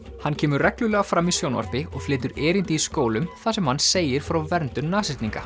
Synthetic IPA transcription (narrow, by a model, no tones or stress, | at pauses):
hanːcʰɛːmʏɾrɛklʏlɛɣafɾaːmisjoːwnva̰r̥pɪɔɣflɪːt̪̬ʏɾeːɾɪnt̪ɪiskoːwlʏmθasɛmhanːseːjɪɾ̥fɾawvɛɾnt̪ʏmnaːsɪ̥t̪niŋka